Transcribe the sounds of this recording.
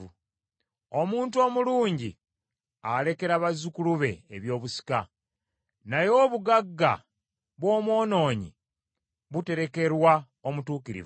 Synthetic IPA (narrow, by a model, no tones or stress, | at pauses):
u | omuːntuo̞ːmuluːɲɟi | ale̞ke̞ɾaβazːukuluβe̞ːβjo̞ːβusi̥ka | najo̞ːβuɡaɡːa̰ | βwo̞ːmwo̞ːno̞ːɲḭ | βute̞ɾe̞ke̞ɾwa | o̞mutuːkiɾḭv